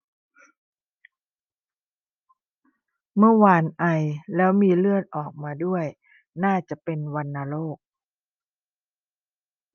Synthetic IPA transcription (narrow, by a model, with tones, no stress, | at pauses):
mɯ˥˩ɐwaː˧nʔa˧jlɛː˦˥wmiː˧lɯ˥˩ət̪̚ʔɔː˨˩k̚maː˧du˥˩əj | naː˥˩t͡ɕa˨˩ʔpe˧nwa˧nːaː˧loː˥˩k̚